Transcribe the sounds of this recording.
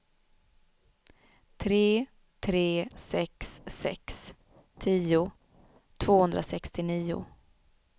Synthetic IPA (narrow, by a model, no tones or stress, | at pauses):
t̪ʰɾeː | t̪ʰɾeːsɛksːɛ̰ks | t̪ʰiːʊ | t̪ʰv̥oːhɵnd̪ɾasɛkst̪ɪniːʊ̰